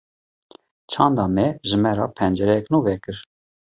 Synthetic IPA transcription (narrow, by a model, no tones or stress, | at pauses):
t͡ʃʰɑnd̪ɑmɛʒɨmɛɾɑ̰ːpʰɛnd͡ʒɛɾɛjɛknuːvɛkɨɾ